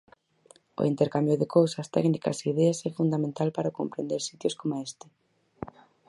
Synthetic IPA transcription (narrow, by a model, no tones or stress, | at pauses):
ʊ̰int̪eɾkambjʊðekowsɐst̪ɛ̰knikɐ̰seiðɛɐsɛfund̪amẽnt̪alpaɾakompɾend̪eɾsit̪joskomoest̪ɪ̥